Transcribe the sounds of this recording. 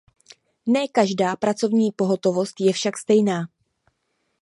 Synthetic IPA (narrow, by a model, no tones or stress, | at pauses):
nɛːkaʒdaːpɾat͡so̞vɲiːpo̞ɦo̞t̪o̞vo̞st̪jɛfʃakst̪ɛjnaː